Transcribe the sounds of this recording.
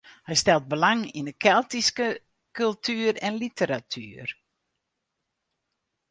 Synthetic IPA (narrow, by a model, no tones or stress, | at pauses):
hɛjstɛlˠt̚bəlaŋinəkʰɛlˠtiskə | kʉlˠtʰyːəɾɛnlitʰəɾatʰyər